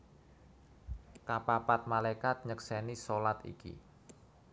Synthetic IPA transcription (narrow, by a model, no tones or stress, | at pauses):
kapapat̪̚malajkat̪̚ɲəksɛnisolat̪ḭkḭ